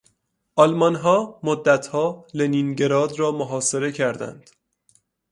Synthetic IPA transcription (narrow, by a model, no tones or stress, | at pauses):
ʔɒlmɒnɦɒːmod̪ːæt̪ʰhɒːleninɟe̞ɾɒːd̪rɒːmoɦɒːse̞ɾe̞cʰæɾd̪æ̰nd̪̥